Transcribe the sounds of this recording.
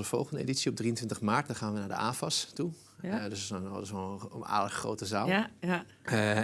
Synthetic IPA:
əfɔlˠɣəndəḛditsiɔb̚driəntʋɪntəχmaːɹt̚dɔχaːnʋənaːɹdə̰ʔaːfɔstu | døsəsəsoa̰ːdəχro̰ːwtəzaːl

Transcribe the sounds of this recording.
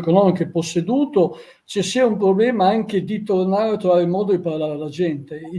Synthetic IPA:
konɔːmikeepːosːed̪uːt̪o | t͡ʃesiaumpɾoblɛːmaaŋked̪it̪ornaːɾeat̪ːɾovaːɾeimɔːd̪od̪iparlaːɾealːad͡ʒɛnt̪e

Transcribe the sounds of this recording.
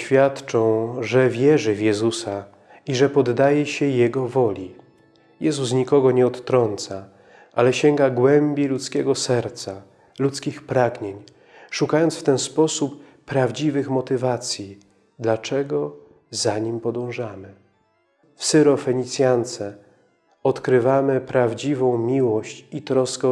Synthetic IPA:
fʲjat̪t͡ʂɔ̃w̃ʐɛvʲjɛʐɘvjɛzusa | iʐɛpɔd̪ːajɛɕɛjɛɡɔvɔlʲi | jɛzus̬ɲikɔɡɔɲɛɔt̪ːɾɔnt̪sa | ʔalɛɕɛŋɡaɡwɛmbʲjilut̪skʲɛɡɔsɛɾt̪sa | lut̪skʲixpɾaɡɲeɲ | ʂukajɔnt̪sft̪ɛnspɔsupː | ɾavd͡ʑivɘxmɔt̪ɘvat̪sʲji | d̪lat͡ʂɛɡɔ | zaɲimpɔd̪ɔ̃w̃ʐamɘ | fsɛɾɔfɛɲit̪sʲjant̪sɛ | ɔt̪kɾɘvamɘpɾavd͡ʑivɔ̃w̃mʲiwɔɕt͡ɕit̪ɾɔskɛ

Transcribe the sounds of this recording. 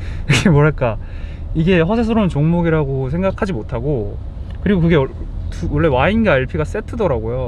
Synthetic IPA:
iɡemwʌɦaɭk͈a | iɡe̞ɸʌsʰesʰʌɾomɯnt͡ɕoŋmoɡiɾaɡosʰe̞ŋɡakʰad͡ʑimotʰaɡo | kɯɾiɡokɯɡe̞tuwʌɭːe̞wainɡaiɭpʰiɡas͈e̞tʰɯdʌɾaɡojo

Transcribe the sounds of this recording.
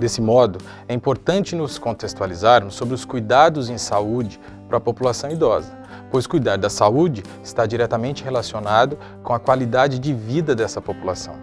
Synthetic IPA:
d̪esɪmɔd̪ʊ | ɛĩpoɾt̪ɐ̃nt͡ʃɪnʊskõt̪est̪ualizaɾmʊsːobɾɪʊskujd̪ad̪ʊzẽj̃saud͡ʒɪ | pɾɐpopulasɐ̃w̃id̪ɔzɐ | pojskujd̪aɾd̪ɐsaud͡ʒɪ | ɪst̪ad͡ʒiɾɛt̪ɐmẽnt͡ʃɪhelasionad̪ʊ | kõɐkwalid̪ad͡ʒɪd͡ʒɪvid̪ɐd̪ɛsɐpopulasɐ̃w̃

